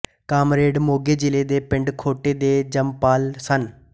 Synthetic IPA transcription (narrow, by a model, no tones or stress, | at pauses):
kaːmɾeːɖmoːɡeːd͡ʒɪleːd̪eːpɪɳɖkʰoːʈeːd̪eːd͡ʒəmpaːlsən